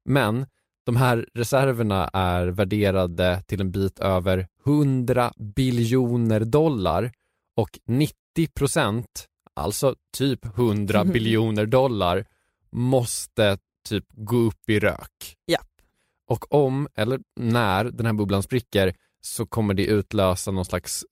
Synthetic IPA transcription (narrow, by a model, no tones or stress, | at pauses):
mɛn | d̪̥ɔmɦæːɾɾɛsæɾvəɳa̰ʔæɾvæɖeːɾad̪ət̪ʰɪlɛnbiːt̪ʰøːvəɾhɵnd̪ɾa̰bɪljuːnəɾd̪ɔlːa̰ɾ | ɔknɪt̪ːɪpʰɾʊsɛnt̪ | ʔa̰lt̪sɔt̪ʰyːphɵnd̪ɾabɪljuːnəɖɔlːa̰ɾ | mɔst̪ə | t̪ʰyːpɡoːɵpːɪɾø̰ːk | ʔɔkʰɔmʔɛ̰lːəɾnæɾd̪ɛnhæːɾbɵblanspɾɪkːəɾ | sɔkʰɔmːəɖɛʔʉ̟ːt̪løːsanɔnslaks